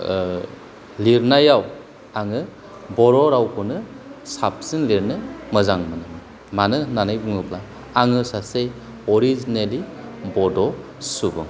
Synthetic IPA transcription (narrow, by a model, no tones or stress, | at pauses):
liɾnajaw | aŋɯ | bɔɾɔɾawkʰunɯ | sap̚sinliɾnɯmɯzaŋmɯnɯmɯ | manɯnanajbuŋɯpla | aŋɯsase | ɔɾizinelibɔdɔ | subɯŋ